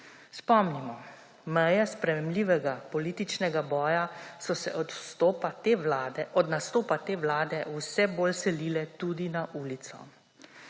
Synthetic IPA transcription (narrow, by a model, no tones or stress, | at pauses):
spɔmnimɔ | mɛjɛspɾɛmɛmliːʋɛɡapɔliːt̪it͡ʃnɛɡabɔːjasɔsɛ̰ʔɔst̪oaɔd̪nast̪oːpat̪eːwlaːd̪ɛwsɛboːlsɛlilɛt̪ud̪inaʔuːlit̪sɔ̰